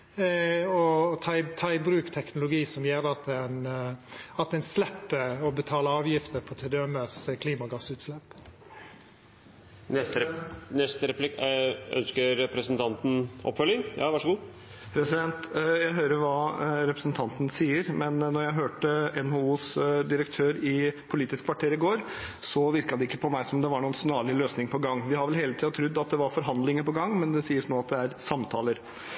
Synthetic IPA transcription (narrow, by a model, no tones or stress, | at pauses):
ɔt̪ʰɑɪt̪ʰɑːɪbɾʉːkt̪ʰɛknʊlʊɡiːsɔmjeːɾd̪ɛɑt̪̚d̪æn | ɑt̪̚d̪ɛɪnslɛpːəɔbət̪ʰɑːləɑːʋjɪft̪əpʰɔt̪ʰɛd̪øɛməskʰliːmɑɡɑsʉːt̪slɛpː | nɛst̪nɛst̪əɾɛplɪkœ̰nskəɾɛpɾəsənt̪ʰɑnt̪n̩ʔɔ̰pːfœlːɪŋjɑ̰ːʋɑʂɡuː | pʰɾɛsɪd̪ɛnt̪jæɪɦøːɾəɾʋɑːɾɛpɾəsnt̪ʰɑnt̪ən̩siːəɾmɛnnːɔɾjæɪɦøːʈəɛnhouːsd̪ɪɾəkt̪ʰøːɾɪpʰʊliːt̪ɪskʰʋɑʈʰeːɾɪɡoːɾsɔʋɪɾkɑd̪ɛɪkːəpʰɔmæɪsɔmd̪ɛʋɑɳuːənsnɑːɭɪløːsnɪŋpʰɔɡɑŋːʋɪhɑɾʋɛlheːlət̪iːɑd̪t̪ʰɾʉd̪ːɑt̪̚d̪ɛʋɑɾfɔɾɦɑnd̪lɪŋəpɔɡɑŋːmɛnd̪ɛsiːəsnoːɑt̪̚d̪ɛæɾsɑmt̪ʰɑːləɾ